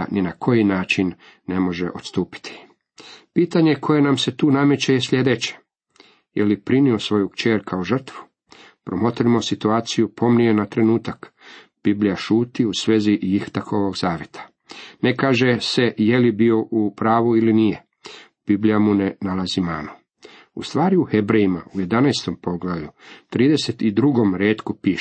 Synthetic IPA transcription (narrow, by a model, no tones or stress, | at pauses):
ninakʰo̞jinaːt͡ʃinː | e̞mo̞ʒḛʔo̞t̪st̪uːpi̥t̪ʰi̥ | piːt̪aɲe̞kʰo̞je̞namse̞t̪uːname̞t͡ɕejesʎʲe̞d̪et͡ɕe̥ | jelipɾinio̞sʋo̞jukt͡ʃeːɾkʰauʒr̩t̪ʋu̥ | pɾomo̞t̪ɾimo̞sit̪uaːt̪sijupʰo̞mnienat̪ɾe̞nuːt̪ak | b̥iblijaʃuːt̪iusʋeːzijixt̪akʰoʋo̞ɡzaːʋje̞t̪ʰḁ | ne̞kaːʒe̞se̞jelibio̞ʔupɾaːʋuilinije̞ | b̥iblijamunenalazimaːno | ṵst̪ʋaːɾiuhebɾejima̰uje̞d̪anaest̪o̞mpo̞ɡlaʋʎut̪ɾiːd̪e̞se̞t̪id̪ɾuɡo̞mɾeːt̪kupiːʃ